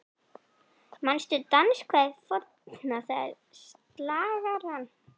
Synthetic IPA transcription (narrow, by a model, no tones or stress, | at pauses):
manst̪ʏt̪anskʰvafɔt̪naθaɪ̰ɾ | st̪laːɣaɾan